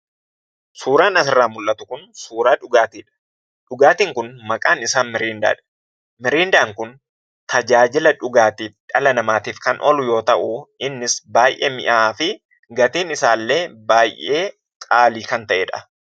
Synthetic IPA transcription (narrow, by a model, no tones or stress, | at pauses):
suːɾaːnɐsɪrːaːmʊlʔɐt̪ʊkʊnsuːɾaːᶑʊɡaːt̪iːᶑɐ̥ | ᶑʊɡaːt̪iːŋkʊnmɐkʼaːnɪsaːnmɪɾiːnd̪a̰ːᶑɐ̥ | mɪɾiːnd̪aːŋkʊn | t̪ʰɐd͡ʒaːd͡ʒɪlɐᶑʊɡaːt̪iːfᶑɐlɐnɐmaːt̪iːfkɐnʔɔlʊjo̞ːt̪ɐʔʊɪnːɪsbaːjʔḛːmɪ̰ʔaːfɪ | ɡɐt̪iːnɪsaːlːe̞ːbaːjʔeː | kʼaːliːkɐnt̪ɐʔeːᶑɐ̥̰